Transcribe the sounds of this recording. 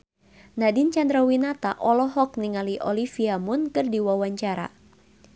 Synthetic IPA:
nadint͡ʃandɾawinat̪aʔɔlɔɦɔk̚niŋaliʔɔlifiamʊnkɨrdiwawaɲt͡ʃaɾa̰

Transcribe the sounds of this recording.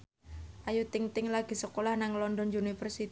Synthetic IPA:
ʔajut̪ɪŋt̪ɪŋlaɡ̥i̤səkolahnaŋlɔndɔnunifərsit̪

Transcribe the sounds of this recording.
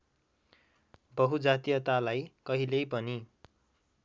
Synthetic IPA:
bʌɦud͡zat̪ijʌt̪alajkʌɦilejpʌni

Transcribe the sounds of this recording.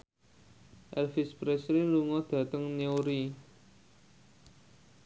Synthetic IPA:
ʔɛlfɪspɾɛsɾiluŋɔd̪̥ä̤t̪əŋneoɾi

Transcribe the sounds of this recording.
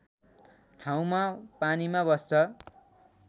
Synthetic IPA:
ʈʰaw̃mapanimabʌst͡sʰʌ

